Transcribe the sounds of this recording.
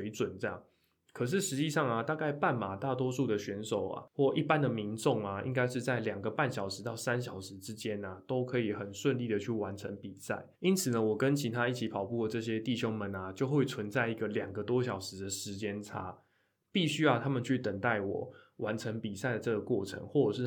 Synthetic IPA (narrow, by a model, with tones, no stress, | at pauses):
e˧˦ɪt͡swə˨˩nʈ͡ʂə˥˧˩jɑ̰˥˩ŋ | kʰə˨˩ʂ̬ɻ̩˥˩ʂɻ̩˧˥t͡ɕi˥˧ʂɑ˥˩ŋa˩t̪a˥˧ka˥˧ɪpa˥˩nma˨˩t̪a˥˩t̪wɔ˥ʂu˥˩d̪ə˩ɕɛ˧˥nʂo˨˩ʊa̰˩xwɔ˥˩ʔi˥˩pa˦nd̪ə˨mi˧˦nʈ͡ʂo˥˩ŋɐ˩ḭ˦˥ŋka˥ɪʂɻ̩˥˧t͡sa˥˩ɪljɑ˨˩ŋɡə˦pa˥˩nɕjɑ˨˩ʊʂɻ̩˧˥t̪ɑ˥˩ʊsa˦nɕ̬jɑ˨˩ʊʂɻ̩˧˦ʈ͡ʂɻ̩˥t͡ɕjɛ˦na˨t̪o˥ʊkʰɤ˧˥i˨˩xə˨˩nʂwə˥˧nli˥˩də˩t͡ɕʰy˥˩wa˧˦nʈ͡ʂʰə̰˧˥ŋpi˨˩sa̰˥˩ɪi˥nt͡sʰɹ̩˨˩nə˦wɔ˨˩kə˦nt͡ɕʰi˧˥t̪ʰa˦i˥˩t͡ɕʰi˧˥pʰɑ˨˩ʊpu˥˩lə˩ʈ͡ʂɤ˥˧˩ɕ̬jɛ˥t̪i˥˩ɕjo˥ŋmə˨nɐ˨t͡ɕjo˥˧ʊxwe˥˩ɪt͡sʰwə˧˦nt͡sa˥ɪi˧˥ɡə˨lja˨˩ŋɡə˦t̪wɔ˦ɕ̬jɑ˨˩ʊʂɻ̩˧˦d̪ə˨ʂɻ̩˧˦t͡ɕjɛ˥nʈ͡ʂʰa̰˦˥ | pi˥˩ɕy˥jɑ˥˩t̪ʰa˥mə˨nt͡ɕʰy˥˩t̪ə˨˩ŋt̪a˥˩ɪwɔ̰˨˩˦ | wa˧˥nʈ͡ʂʰə˧˦˥ŋpi˨˩sa˥˩ɪd̪ə˩ʈ͡ʂɤ˥˩ɡə˩kwɔ˥˩ʈ͡ʂʰə̰˧˥ŋxwɔ˥˩ʈ͡ʂə˨˩ʂɻ̩˥˩